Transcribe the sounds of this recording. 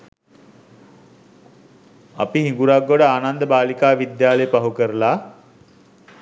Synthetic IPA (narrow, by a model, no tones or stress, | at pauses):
ɐ̰piɦiŋɡuɾaɡːoɽəaːnand̪əbaːlikaːʋid̪jaːləjpaɦukəɾəlaː